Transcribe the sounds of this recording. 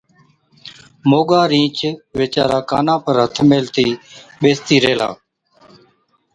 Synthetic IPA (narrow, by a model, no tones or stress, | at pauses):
moːɠaːɾĩːt͡ʃʋeːt͡ʃa̰ːɾaːka̰ːnãːpəɾɦət̪ʰmeːlt̪iːɓeːst̪iːɾeːla̰ː